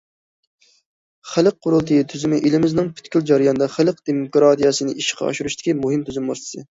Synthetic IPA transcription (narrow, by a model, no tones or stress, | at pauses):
χælˠəq̚ʰːʊɾulˠt̪ʰɨjit̪ʰyzymɪʔilɪmɪznɨŋpʰy̥t̪kʲyld͡ʒɑɾɨjɑnɨd̪ɑχælˠəqd̪̥emokɾɑt̪ijɑsɨnɨiʃɪ̥qʰɑ̰ɑ̰ʃuɾuʃt̪ɪ̥kʲimuɦɨmt̪ʰyzymust̪ɨ̥sɨ